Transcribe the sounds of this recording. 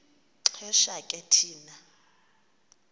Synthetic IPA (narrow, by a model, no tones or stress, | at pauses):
ǁʰɛʃakʼɛtʰiːna